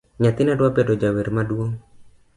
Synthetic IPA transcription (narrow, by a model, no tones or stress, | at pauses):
ɲat̪ɪnadwapedod͡ʒaweɾmadwoŋ